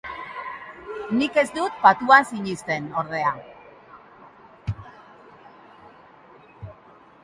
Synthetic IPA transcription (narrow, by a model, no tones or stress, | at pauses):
nike̞zd̪ut̪̚pat̪uasiɲist̪e̞no̞ɾð̞e̞a